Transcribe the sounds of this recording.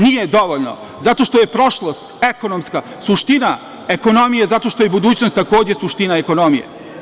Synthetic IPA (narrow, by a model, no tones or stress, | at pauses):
nijed̪oʋoʎʲno̞̰ | zat̪o̞ʃt̪o̞je̞pɾo̞ʃlˠost̪e̞ko̞nomska | suʃt̪ina | eko̞no̞mijezat̪oʃt̪ojebud̪uːt͡ɕnost̪ːako̞ːd͡ʑe̞suʃt̪inaeko̞nomijḛ